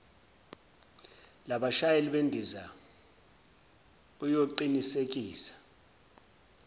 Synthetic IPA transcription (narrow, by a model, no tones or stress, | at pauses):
laɓaʃajeliɓendʱiza | ujoǃinisek̬ʼiːsḁ